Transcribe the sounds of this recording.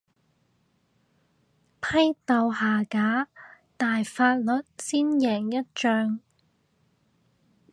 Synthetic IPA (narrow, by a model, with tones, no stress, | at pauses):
pʰɐ˥jt̪ɐ˨˧wɦaː˨˩kaː˨˥ | t̪aː˨jfaː˧t̚lɵ˨t̚siː˥njɛː˨˩ŋjɐ˥t̚t͡ʃœː˧ŋ